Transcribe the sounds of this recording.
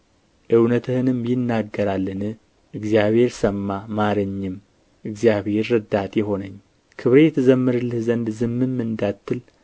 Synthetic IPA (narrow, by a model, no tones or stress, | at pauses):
ʔɨwnət̪ʰɨhɨnɨmjɪnːaɡːəɾalːɨnɨ | ʔɨɡzijaβhe̞ɾsəmːamaɾɨɲːɨm | ʔɨɡzijaβhe̞ɾːɨd̪at̪jɛɦo̞nəɲː | kʰɨβɾejɛt̪ʰɨzəmːɨɾɨlːɨhzənd̪zɨmːɨmːɨnd̪at̪ːɨl